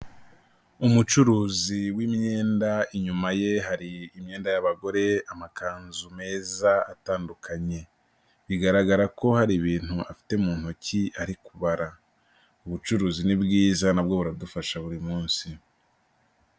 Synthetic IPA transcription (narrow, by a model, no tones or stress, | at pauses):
umut͡ʃuɾuːziwimɲe̞ːndaiɲumaje̞ɦaɾiːmɲe̞ːndajaβaɡo̞ɾe̞amakʰaːnzume̞ːzaataːndukʰaɲe̞ | βiɡaɾaɡaɾako̞haɾiβiːn̥huʔafi̥temuːn̥hociaɾikuβaɾa | uβut͡ʃuɾuːzinibɡiːzanabɡo̞βuɾadufaʃaβuɾimuːnsi